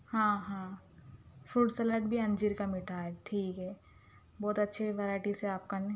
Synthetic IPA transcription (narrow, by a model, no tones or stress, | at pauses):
hãːɦãː | fuːɖsəlaːʈ̚bʱiɐ̃nd͡ʒiɾkamɪʈʰaːɛʈʰiːkɦɛː | bɔːt̪ɐtːʃʰeʋeɾaːɪʈiseaːp̚kan